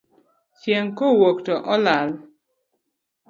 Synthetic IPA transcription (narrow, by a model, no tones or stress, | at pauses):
t͡ʃjɛŋkowoktɔʔɔlal